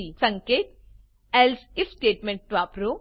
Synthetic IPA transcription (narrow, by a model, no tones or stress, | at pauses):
isɐŋkeːt̪̚ | ɛlsifsʈeːʈmẽɳʈ̚ʋaːpɾo